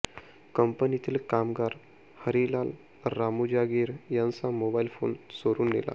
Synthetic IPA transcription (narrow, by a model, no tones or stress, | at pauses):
kəmpənit̪ʰiːlkamɡaɾ | həɾilal | ɾamud͡ʑaɡiːɾjãnt͡samobailfo̰nsoɾuːnːḛla̰